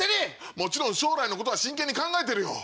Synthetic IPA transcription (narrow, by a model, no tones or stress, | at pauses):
eɲʲi | mo̞t͡ɕiɾõɰ̃ɕo̞ːɾaino̞ko̞t̪oaɕĩŋkeɲːikãŋɡaet̪̬e̞ɾɯ̟jo̰